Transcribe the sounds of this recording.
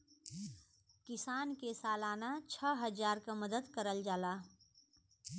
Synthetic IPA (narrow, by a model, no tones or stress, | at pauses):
kɪsaːnkesaːlaːnat͡ʃʰəɦəd͡ʒaːɾkaməd̪əd̪kəɾəld͡ʒaːlaː